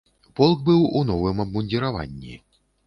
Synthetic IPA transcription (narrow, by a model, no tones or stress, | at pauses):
pɔlˠkbɨwunɔvɨmɐbmunʲdʲiɾava̰nʲːḭ